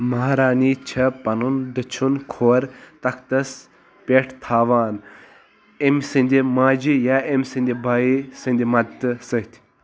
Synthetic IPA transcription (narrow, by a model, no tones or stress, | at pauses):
mɐɦɾaːniːt͡ʃʰɐpɐnund̪ɨt͡ʃʰunkʰoːɾt̪ɐk̚ʰt̪ɐs | pʲeːʈʰt̪ʰaːʋaːn | emʲsɨnʲd̪ʲimaːd͡ʒijaːemʲsɨ̃nd̪ibʱaːisɨnd̪ʲimɐd̪t̪ɨsɨɦt̪ʲʰ